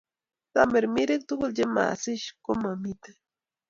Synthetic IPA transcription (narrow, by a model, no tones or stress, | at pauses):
t̪ameɾmiɾek̚t̪ukuld͡ʒema̰siʃkomamit̪ḁ